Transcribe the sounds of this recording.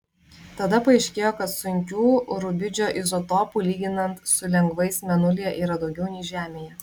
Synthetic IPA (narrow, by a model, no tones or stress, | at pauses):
t̪ɐd̪ɐpɐɐɪʃʲkʲeːjoːkɐt̪sʊŋʲkʲuːɾʊbʲɪd͡ʒʲoːʔɪzot̪oːpuːlʲiːɡʲɪnɐnt̪sʊlʲɛŋɡʋɐɪsmʲɛnʊlʲiɛʔiːɾɐd̪ɒʊɡʲɛʊnʲɛːʒʲæːmʲeːjɛ